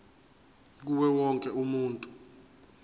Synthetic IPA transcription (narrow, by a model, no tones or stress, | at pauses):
k̬uwɛwɔŋkʼɛumuːntʼu